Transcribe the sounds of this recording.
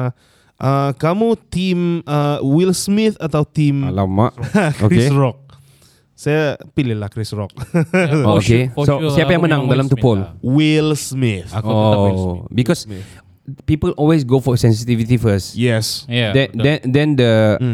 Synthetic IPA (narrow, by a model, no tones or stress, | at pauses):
ʔəkamut̪ĩmʔəwilsmiθat̪awt̪ĩmlama̰ʔkoɾikeɹɔk̚ | sajapilɪhlahkɾisɹɔk̚ookesosiapajãŋmənãŋdalamt̪upolwilsmiθo | bikɔs | pipəlʔɔlwes̬ɡofɔsɛ̃ns̬it̪ivit̪ifəsjɛsdɛdɛ̃dɛ̃ndə